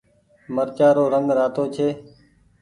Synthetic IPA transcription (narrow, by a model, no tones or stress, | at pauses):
məɾt͡ʃaːɾoːɾəŋɡɾaːt̪oːt͡ʃʰeː